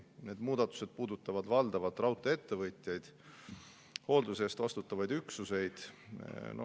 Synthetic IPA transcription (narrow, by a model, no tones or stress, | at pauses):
ne̞ːd̪̥muːd̪̥ɑt̪ːˑu̥se̞d̪̥̚puːd̪ut̪ːˑɑvɑd̪vɑld̪̥ɑvɑt̪ːˑrɑwt̪ːˑee̞t̪ːe̞vɤt̪ʲjɑjd̪̥ | ho̞ld̪use̞st̪ɑst̪ut̪ːˑɑvɑjd̪yksuse̞jd̪̥ | no